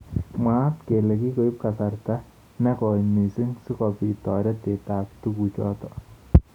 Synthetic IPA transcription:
ma˦tke˨lɛ˨ki˦ko˨i˦p̚kasarta | nɛkɔ˨jmi˨si˦ŋsi˦kɔpitɔɾɛte˨taː˨p̚t̪uku˨t͡ʃɔ̰˦t̪ɔ

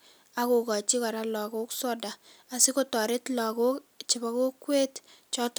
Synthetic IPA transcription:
a˨ko˨kɔ˨t͡ʃi˦kɔ˨ɾa˦lɔ˨ko˦ksɔ˦da˨ | a˨si˦ko˦˨tɔ˨ɾe˦tlɔ˨ko˦kt͡ʃɪ˨ba˦ko˦kːwe˦t | t͡ʃɔ˦t

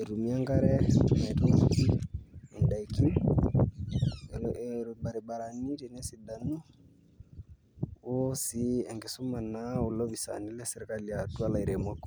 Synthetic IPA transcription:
e˨ɾu˨mi˦a˦ŋɡa˦ɾɛ˦mɛ˨tɔ˦ki˦ɛ˨nda˨iki˦ | ɾɓa˨ɾɛ˨ɓa˨ɾa˨ni˦ɾɛ˨nɛ˦si˨da˨nu˦ | wosi˦ɛ˨ŋɡɛ˨so˦ma˨na˦o˨lɔ˦βi˨sa̰˨ni˦lɛ˦sɛ˨ɾe˨kali˨atu˦a˦la˨i˨ɾe˨mwa˦k

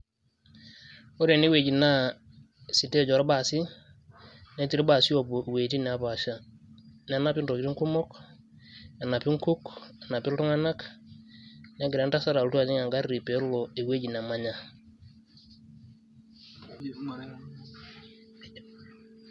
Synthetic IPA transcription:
o˦ɾe˨ne˦we˨d͡ʒi˨na˦ | si˨te˦˨d͡ʒɔ˨ɾba˦˨si˦ | ne˦ti˨ɾe˦ba˨si˦o˨bo˨we˨ti˦nɛ˨a˦pa˨ʃa˦ | nɛ˨˦na˦pi˦nɾo˨kɾi˦ŋku˦mɔ˦k | na˨na˨pi˦ŋku˦ka˨na˨pɪ˦ltu˦ŋa˦na˦k | na˦ɡɪɾe˨˦nta˦sa˦ɾa˨ltu˦a˨ɲi˦ŋa˨ŋɡa˦ɾɾi˨pe˨˦lo˨e˨we˦d͡ʒi˨na˨ma˦ɲa˦

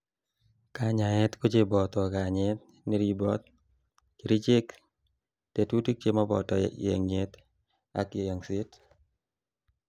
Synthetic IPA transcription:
ka˨ɲa˨ɛ˦t̪ko˦t͡ʃe˦bɔ˨t̪ɔ˨ka˨ɲɛ˦t̪̚ | ni˦ɾi˦bɔ˦t̪̚ | ki˨ɾi˦t͡ʃe˦k | te˨tu˦ti˦k̚t͡ʃe˦mɔ˦bɔ̰˨tɔ̰˨jḛ˨ŋe˦t̪ | a̰˨ke˨jɔ˨ŋsi˦t

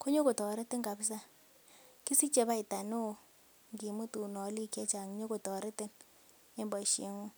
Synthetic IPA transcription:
ko˦ɲo˦ko˨tɔ˨ɾɛ˦te˦ŋɡa˨bi˦s̬a˦ | ki˦si˦t͡ʃɛ˨ba˦i˨ta˨no˦˨ | ŋɡi˨mu˦tu˨nɔ˨˦li˦kɛ˦t͡ʃa˨ŋ˨ɲo˦ko˨tɔ˨ɾɛ˦te˦n | e˦mbɔ˨ʃi˨˦ŋu˦

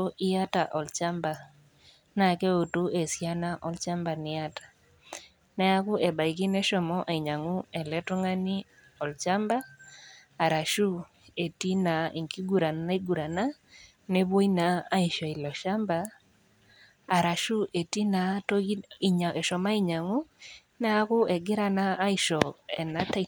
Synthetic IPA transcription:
o˦ʔi˦a˦ta˨ʔɔ˨lt͡ʃa˦mba˨ | na˨kɛ˦o˨tu˦e˨sja˦na˦ʔɔ˦lt͡ʃa˦mba˨nɪ˨a˦tḁ˨ | nɛ˦a˦ku˦ʔe˨ɓa˨i˨k̬i˦nɛ˦ʃɔ˨mɔ˦ʔa˨i˨ɲa˨ŋu˦ɛ˨lɛ˦to˦ŋa˦ni˦ | ɔ˨lt͡ʃa˦mbaː˦˨ | ɾa˨ʃu˦ | e˨ti˦na˨ʔi˨ŋki˦ɡu˨ɾa˨a˦i˦ɡu˨ɾa˨na˦ | ne˦bo˦i˦na˨a˦i˨ʃɔ˨i˨lɔ˨ʃa˦mba˨ | ɾa˨ʃu˦ʔe˨ti˦na˨to˦i˦˨ɲa˨ɛ˨ʃɔ˨ma˦i˦ɲa˨ŋu˦ | nɛ˦a˦kʊ˦ɛ˨ɡɪ˦ɾa˦˨naː˦i˨ʃɔ˨ɛ˨na˦ta˦˨

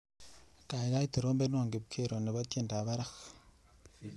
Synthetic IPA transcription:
ka˨e˨ɣa˦i˦to˨ɾoː˦mbe˦nwa˨ŋɡe˨βkʰe˦ɾo˨ne˨βa˦tje˦˨nda˨βa˦ɾa˦x

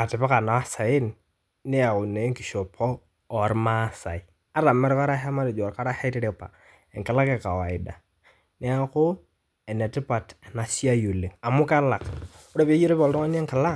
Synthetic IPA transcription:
a˨te˨pa˦ka˨na˨wa˦sa˨jɪ˦n | ne˦a˨kʊ˨ne˨˦ŋki˨ʃo˨pʰɔː˦˨ | ɾma˦sa̰˨i˨ | a˦ɾa˨mɛ˦ɾka˦ɾa˦ɦa˦ma˦de˨d͡ʒo˨ɾka˦ɾa˦he˦ti˦ɾe˨pa̰˨ | ɛ˨ŋkɪ˨la˦ke˦˨ka˨wa˨ɪ˨da̰˨ | ne˦a˦kʊ˦ | ɛ˨ne˨tɪ˦pa˨ta˨na˨si˦a˦ju˨li˨ŋa˨mʊ˦ka˦la˨kʊ˦ɾa˦pi˦e˦ji˦ɾo˦pɔ˨lto˦ŋa˦n˦e˦ŋkɪ˨la˦

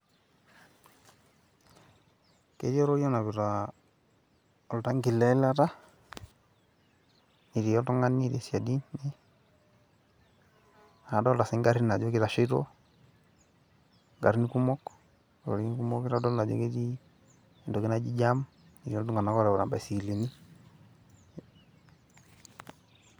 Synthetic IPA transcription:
ke˦ɾɔ˦ɾo˦ɾi˦ɔ˦na˨βi˨ɾa | ɔ˨lta˦ŋɡi˨lɛ˦la˦ta˦ | ni˨ɾi˨jɔ˦ltɔ˦ŋa˦ni˨ɾe˨sja˨di˦nːi˦˨ | a˨dɔ˦lta˨si˦ŋɡa˦ɾi˦na˨d͡ʒɔ˦kɪ˦ɾa˨ʃi˦ɾɔ̰ | ŋɡa̰˨ɾi˦niku˦mɔ˦k | ɔ̰˨ɾi˦ku˦mɔ˦ki˦ɾa˦dɔ˦lna˨d͡ʒɔ̰˦ki˦ɾi˦˨ | ndɔ˨ki˦na˦d͡ʒi˦d͡ʒam | i˨ɾi˨ɔ˦tu˦ŋa˨na˦kɔ˦ɾa˨ɔ˨ɾa˨mba˨si˨li˨ni˦

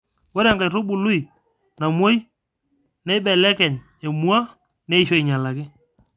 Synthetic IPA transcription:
wo˦ɾɛ˨ŋɡa˨jɾo˦ɓʊ˨lʊ˦i˨ | na˨mo˦j | nɛ˦jɓɛ˨lɛ˦kɛ˨ɲ | e˨mu˦a˦ | ne˦i˦˨ʃo˦i˨ɲa˨la˨kɪ˦

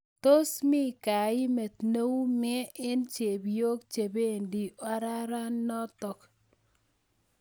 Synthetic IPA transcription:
to˦smɪ˦ka˨ɪ˦me˨t̪no˦wu˦mɛ˦ɪ˦nt͡ʃe˨bjo˦kt͡ʃe˨be˦˨ndi˨a˦ɾa˦ɾa˦nːɔ˦tɔ˨k

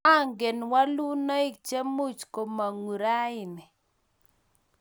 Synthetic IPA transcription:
a˦ŋɡe˨nwa˦lu˦na˦i˦k̚t͡ʃe˦mu˦t͡ʃko˨ma˨ŋu˨ɾa˦ɪ˨nɪ˨

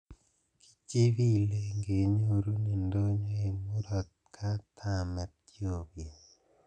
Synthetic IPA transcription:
ki̥˦t͡ʃe˦βi˦le˨ŋɡe˨ɲo˦ɾu˦ni˨ndo˦ɲo˦e˨mu˦ɾɔ˨t̪̚ | kʰa˦t̪ʰa˨mɛ˨t̪̚ | jo˨bje˨

